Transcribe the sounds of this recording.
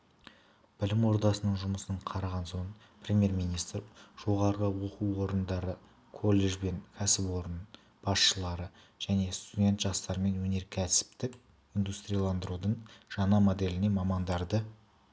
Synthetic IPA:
b̥ɪlɪmwo̞ɾd̪ɑsənəɴʒʊməsəɴqʰɑɾɑʁɑnson | prʲemʲje̞ɾmʲinijst̪rʒ̥o̞ʁɑɾəʁəwo̞quwwo̞ɾənd̪ɑɾə | kʰo̞lˠːe̞ʒbe̞ŋkʲʰæsɪpwo̞ɾən | b̥ɑsʃəlˠɑɾə | ʒ̥æne̞st̪udʲe̞nt̪ʒɑst̪ɑɾəme̞nwɵne̞ɾkʲʰæsɪ̥p̚t̪ɪk | ind̪ust̪ɾʲijɑlˠɑnd̪əɾud̪əɴʒ̥ɑnɑmo̞d̪e̞lɪne̞mɑmɑnd̪ɑɾd̪ə

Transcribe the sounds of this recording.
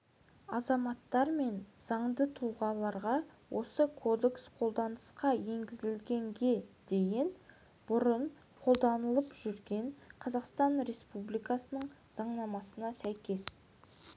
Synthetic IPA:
ɑzɑmɑt̪ːɑɾme̞nz̥ɑɴd̪ət̪ʰuʁɑlˠɑɾʁɑwʔo̞səkʰo̞d̪e̞ksqʰo̞lˠd̪ɑnəsqɑje̞ŋɡʲɪzɪlɡʲe̞ŋɡʲe̞d̪̥e̞jɪn | b̥ʊɾən | qʰo̞lˠd̪ɑnəlˠəpʒ̥ʏɾɡʲe̞ɴqʰɑzɑqst̪ɑnɾe̞spublijkɑsənəɴ | z̥ɑɴnɑmɑsənɑsæjkʲe̞s

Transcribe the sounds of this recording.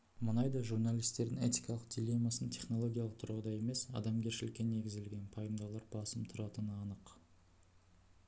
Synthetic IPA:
mənɑjd̪ɑʒurnalʲijst̪e̞ɾd̪ɪŋe̞t̪ijkɑlˠəq̚d̪ʲilʲe̞mːasənt̪ʰʲe̞χno̞lˠo̞ɡʲijalˠəq̚t̪ʰʊɾɑd̪ɑje̞me̞sɑ̰d̪ɑmɡʲʰe̞ɾʃɪlɪkʲːe̞nːe̞ɡʲɪzelɡʲe̞npʰɑjəmd̪ɑwlˠɑɾbɑsəmt̪ʰʊɾɑt̪ənəɑnəq

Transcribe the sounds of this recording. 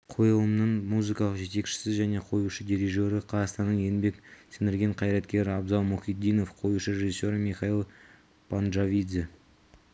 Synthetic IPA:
qʰo̞jəlˠəmnəɴmuzɨkɑlˠəqʒe̞t̪e̞kʃɪ̥sɪzʒæne̞qʰo̞juʃəd̪iɾiʒoɾəqʰɑzɑst̪ɑnːəɴje̞nbe̞ksɪnɪɾɡʲe̞ɴqʰɑjɾɑt̪kʲe̞ɾɪɑbzɑlˠmuχʲid̪ːijno̞fqʰo̞juʃəɾʲe̞ʒisʲːo̞ɾəmiχɑilˠ | pʰanʒavʲid̪zi

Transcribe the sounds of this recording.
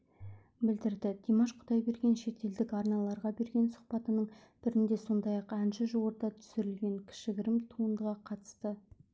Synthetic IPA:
bɪld̪ɪɾd̪ɪd̪̥imɑʃqʰʊd̪ɑjbe̞ɾɡʲe̞nʃe̞t̪e̞ld̪ɪkɑɾnɑlˠɑɾʁɑbe̞ɾɡʲe̞nsʊ̥qpɑt̪ənəɴb̥ɪɾɪnd̪e̞so̞nd̪ɑjɑqænʃɪʒowəɾd̪ɑt̪ʰʏ̥sɪɾɪlɡʲe̞ŋkʲʰɪ̥ʃɪɡʲɪɾɪmt̪ʰuəɴd̪əʁɑqʰɑt̪ə̥st̪ə

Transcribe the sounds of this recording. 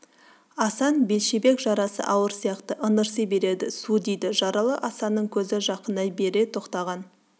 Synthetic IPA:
ɑsɑnbe̞lʃebe̞kʒɑɾɑsə̰ʔɑwəɾsijɑqt̪əʔənəɾsəjbe̞ɾe̞d̪ɪsud̪ejd̪ɪʒɑɾɑlˠəʔɑsɑnːəɴkʲʰɵzɪʒɑqənd̪ɑjbe̞ɾe̞t̪ʰo̞qt̪ɑʁɑn

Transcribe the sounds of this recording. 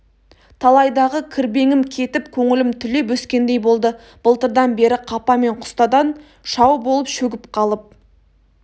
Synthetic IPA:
t̪ʰɑlˠɑjd̪ɑʁəkʲʰɪɾbe̞ŋɪmkʲʰe̞t̪ɪpkʲʰɵŋɪlɪmt̪ʰʏle̞p̬wɵskʲe̞nd̪e̞jbo̞lˠd̪ə | b̥əlˠt̪əɾd̪ɑnbe̞ɾɪqʰɑpɑme̞ɴqʰʊ̥st̪ɑd̪ɑn | ʃɑwbolˠəpʃɵɡʲɪpqʰɑlˠəp̚

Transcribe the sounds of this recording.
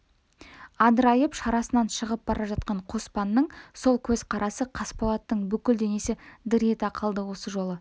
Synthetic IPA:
ɑd̪əɾɑjəpʃɑɾɑsənɑnʃəʁəp̚bɑɾʔɑʒɑt̪̚qɑɴqʰo̞spɑnːəɴso̞lˠkʲʰɵzqʰɑɾɑsəqʰɑspolˠɑt̪ːəɴbʏkʲɪld̪e̞ne̞sɪd̪ɪɾet̪ɑqʰəlˠd̪əwo̞səʒo̞lˠə

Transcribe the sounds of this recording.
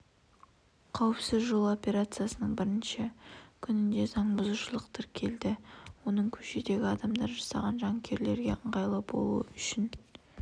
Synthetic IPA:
qʰɑwəpsɪzʒo̞lˠo̞pʲe̞ɾat̪sɨjasənəɴbɪɾɪnʃɪkʲʰʏnɪnd̪e̞zɑɴbʊzuʃəlˠəqt̪əɾkʲʰe̞ld̪ɪwo̞nəɴkʲʰɵ̥ʃe̞d̪e̞ɡʲɪɑd̪ɑmd̪ɑɾʒɑsɑʁɑnʒɑŋkʲʰe̞ɾle̞ɾɡʲe̞̰əɴʁɑjlˠəbo̞̰lˠṵə̰ʏʃɪn

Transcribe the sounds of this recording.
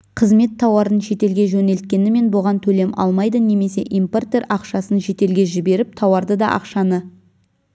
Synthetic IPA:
qʰəzme̞t̪ʰːɑwɑɾənʃe̞t̪e̞lɡʲe̞ʒɵne̞lt̪̚kʲe̞nɪme̞nboʁɑnt̪ʰɵle̞mɑ̰lˠmɑjd̪əne̞me̞se̞ʔijmport̪eɾɑqʃɑsənʒe̞t̪e̞lɡʲe̞ʒɪbe̞ɾɪp̚t̪ʰɑwɑɾd̪əd̪ɑʔɑ̰qʃɑnə

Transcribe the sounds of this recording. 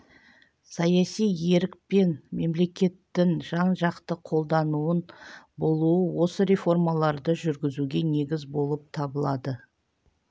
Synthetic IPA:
sɑjɑsije̞ɾɪk̚pe̞nme̞mle̞kʲe̞t̪ːɪŋʒɑɴʒɑqt̪əqʰo̞lˠd̪ɑnuənbo̞lˠuəwo̞səɾe̞fo̞rmɑlˠɑɾd̪əʒʏɾɡʲɪzuɡʲe̞ne̞ɡʲɪzbo̞lˠəp̚t̪ʰɑbəlˠɑd̪ə

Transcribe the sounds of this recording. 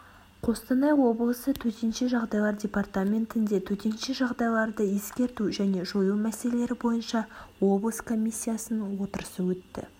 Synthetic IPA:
qʰo̞st̪ɑnɑjwo̞blˠəsət̪ʰɵt̪enʃeʒɑʁd̪ɑjlˠɑɾdʲe̞part̪amʲe̞nt̪ɪnd̪e̞t̪ʰɵt̪e̞nʃeʒɑʁd̪ɑjlˠɑɾd̪əje̞skʲe̞ɾt̪uʒæne̞ʒojumæselele̞ɾɪbo̞jənʃɑwo̞blˠəskʰo̞mʲisʲːijasənəwo̞t̪əɾəsəwɵt̪ːɪ̰

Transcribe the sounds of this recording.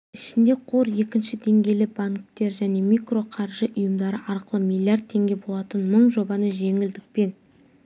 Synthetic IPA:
ɪʃɪnd̪e̞qʰo̞ɾje̞kʲɪnʃɪd̪e̞ŋɡʲe̞jlɪbaŋk̚t̪e̞ɾʒæne̞mikro̞qʰɑɾʒəʔʊjəmd̪ɑɾəʔɑɾqəlˠəmʲilʲˠːijard̪t̪̚t̪ʰːe̞ŋɡʲe̞bo̞lˠɑt̪ənməɴʒo̞bɑnəʒe̞ŋɪld̪ɪk̚pe̞n

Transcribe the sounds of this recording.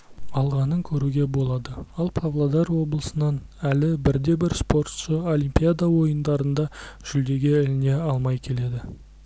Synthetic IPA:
ɑlˠʁɑnəŋkʲʰɵɾuɡʲe̞bo̞lˠɑd̪əɑlˠpʰavlˠad̪ɑɾwo̞bəlˠəsənɑnælɪbɪɾd̪e̞bɪɾspo̞ɾt̪ʃəo̞limpijad̪ɑwo̞jənd̪ɑɾənd̪ɑʒ̥ʏld̪e̞ɡʲɪɪlɪne̞ɑlˠmɑjkʲʰe̞le̞d̪ɪ

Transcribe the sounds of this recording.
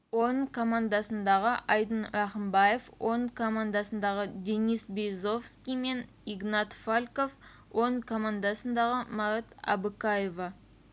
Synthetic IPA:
wonəɴkʰo̞mand̪ɑsənd̪ɑʁəʔɑjd̪ənɾɑχəmbɑjefonəkʰo̞mand̪ɑsənd̪ɑʁəd̪ʲe̞nisbejzo̞fskʲijme̞niɡnɑt̪falʲko̞f | wonəkʰo̞mand̪ɑsənd̪ɑʁəmɑɾat̪ɑ̰bəkajeva

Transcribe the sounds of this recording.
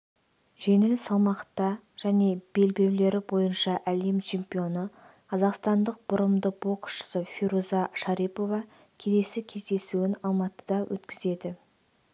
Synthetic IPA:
ʒe̞ŋɪlsɑlˠmɑqt̪ːɑ | ʒ̥æne̞b̥e̞lbe̞wle̞ɾɪbo̞jənʃɑʔælemt͡ʃʰe̞mpʲijo̞nə | qʰɑzɑqst̪ɑnd̪əq̚b̥ʊɾəmd̪əb̥o̞ksʃə̥səfiɾuzɑʃɑɾipo̞vɑ | kʲʰe̞le̞sɪkʲʰe̞zd̪e̞suwɪnɑlˠmɑt̪ə̥d̪ɑwʔɵ̰t̪kʲɪze̞d̪ɪ

